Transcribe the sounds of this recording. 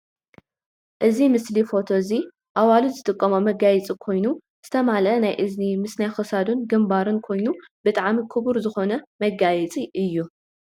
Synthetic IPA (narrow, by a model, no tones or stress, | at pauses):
ʔɨzimɨslifo̞t̪ʰo̞zi | ʔawaluzɨt̪ʼɨkʼːɐmomɐɡajɛt͡sʼikʰo̞jnu | z̥ɨt̪ʰɐmalɐnajʔɨznimɨsnajxɨsad̪unɡɨmbaɾɨnkʰo̞jnub̥ɨt̪ʼaʕmikʰɨβuɾzɨxo̞nɐmɐɡajɛt͡sʼiʔɨjːu